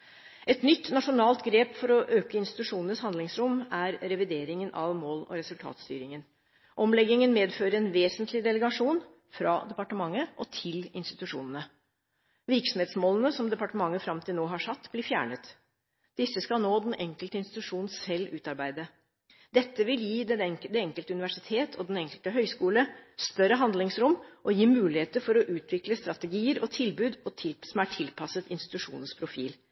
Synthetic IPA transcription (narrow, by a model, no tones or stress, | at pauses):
ʔɛt̪nʏt̪ːnɑʂʊnɑːlt̪ɡɾeːpfɔɾɔʔøːkəɪnst̪ɪ̥t̪ʉʂuːnənəshɑnd̪lɪŋsɾʊmæɾɾɛʋɪd̪eːɾɪŋənʔɑʋmoːlɔ̰ɾɛsʉlt̪ʰɑ̰ːt̪st̪y̰ːɾɪŋən | ʔɔmlɛɡɪŋənmeːd̪føːɾəɛnʋeːsənt̪lɪd̪ɛləɡɑʂuːn | fɾɑːd̪ɛpɑʈəmɑŋːəʔɔt̪ʰɪlɪnst̪ɪt̪ʉʂṵːnənə | ʋɪɾksɔmheːt̪smoːlən̩əsɔmd̪ɛpɑʈəmɑŋːəfɾɑmt̪ʰɪlnoːɦɑʂɑt̪ːblɪfjæ̰ːɳət̪ | d̪̥ɪsːəskɑlnoːd̪ɛnʔɛŋkəlt̪əɪnst̪ɪt̪ʉʂuːn̩sɛlːʉːt̪ɑɾbæɪd̪ə | d̪ɛt̪ːəʋɪljiːd̪ɛnɛd̪ɛɛŋkəlt̪əʉnɪʋæʂɪt̪ʰeːt̪ʰɔd̪ɛnɛŋkəlt̪əɦœʏskuːləst̪œɾəɦɑnd̪lɪŋsɾʊmʔɔjiːmʉːlɪheːt̪əɾfɔɾɔʔʉːt̪ʰʋɪkləst̪ɾɑt̪əɡiːəɾʔɔt̪ʰɪlbʉːd̪ɔt̪ʰsɔmæʈʰɪlpʰɑsət̪ɪnst̪ɪt̪ʉʂṵːnənspʰɾʊfḭːl